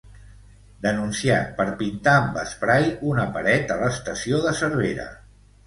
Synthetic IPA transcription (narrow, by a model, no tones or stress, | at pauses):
d̪ənunsiat̪̚pəɾpint̪aːmbəspɾajunəpəɾɛt̪ələst̪əsioðəsəɾβ̞eɾə̰